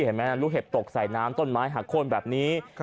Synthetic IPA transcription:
he˩˦nmɛː˦˥na˧ɾuː˦˥ɦe˨˩p̚t̪o˨˩k̚sa˨˩jnaː˦˥mt̪o˧˥˩nmaː˦˥jɦaː˨˩kʰːo˧nbɛː˨˩p̚niː˦˥

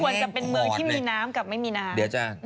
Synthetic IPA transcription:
u˧ənt͡ɕa˨˩pe˧nmɯː˧ŋtʰiː˥˩miː˧naː˦˥mka˨˩p̚ma˥˩jmiː˧naː˦˥di˨˦t͡ɕaː˧n

